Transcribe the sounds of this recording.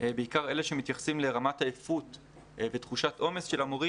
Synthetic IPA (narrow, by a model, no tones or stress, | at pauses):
beikaʁe̞leʃemit̪jaχsimle̞ʁamatajefut | vet̪χuʃatʔo̞mesʃelamoʁi